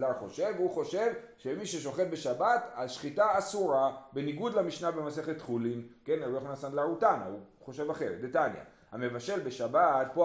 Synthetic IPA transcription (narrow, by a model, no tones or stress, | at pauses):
laʁχo̞ʃe̞vhuχo̞ʃe̞vʃemiʃeʃ̬o̞χe̞t̚be̞ʃabat̪aʃχitaːsuʁabe̞niɡudlamiʃnabemase̞χe̞t̪χulimke̞naluoχnasandlaʁutana̰uχo̞ʃevaχe̞ʁetdetanja̰ | hame̞vaʃe̞lbe̞ʃabat̚po